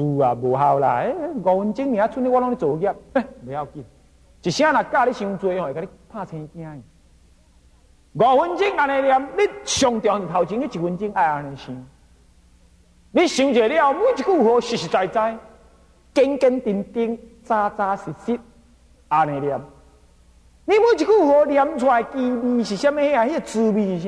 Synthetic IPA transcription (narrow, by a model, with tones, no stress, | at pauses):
u˧a˨bo˨ɦa˧wla̰˨e˦ɡɔ˨hu˧nt͡ɕi˦ŋnĩ˨ã˨˦t͡sʰu˦ni˦wa˦lɔ˦ŋ˦i˦t͡so˨˧˦ɡʲa˦˧p̚e˦˨be˨˦a˦˧˨wki˧n | t͡ɕi˨ɕĩ˦ã˦nã˨ka˦˧li˦ɕĩ˧u˧t͡su˧˨e˨ka˧˦i˦pʰã˦˧˨t͡sʰɛ̃˧i˧kã˦i˨ | ɡɔ˨hu˧nt͡ɕi˦ŋa˧nẽ˨˧ɾja˧mli˦ɕɔ˧ŋt̪jɔ̃˨˧˨i˨t̪ʰa˨wt͡ɕi˧˦li˦t͡ɕi˨hu˧nt͡ɕi˦ŋa˧˨a˧nɛ̃˨ɕĩ˧ | li˦ɕĩ˧t͡ɕe˨li˦a˧wmũ˦t͡ɕi˨ku˦˨u˨ho˧ɕi˨ɕi˨t͡sa˧jt͡sa˧j | ke˧ŋke˧nt̪i˧nt̪i˦ŋt͡sa˧t͡sa˧si˨si˦t̚ | a˨nẽ˨ɾja˧m | li˦mũ˦t͡ɕi˨ku˦˨u˨˧ho˧lja˧mt͡sʰwa˧e˨ki˧bi˧ɕi˨ɕa˦me˦he˦a˨hi˦e˨t͡sɨ˧bi˧ɕi˨˦